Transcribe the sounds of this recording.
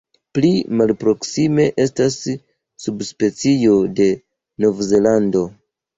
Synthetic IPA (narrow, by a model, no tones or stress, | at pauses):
plimalpɾo̞ksime̞ʔe̞stasː | ubspe̞t͡sio̞de̞ | no̞vze̞lando̞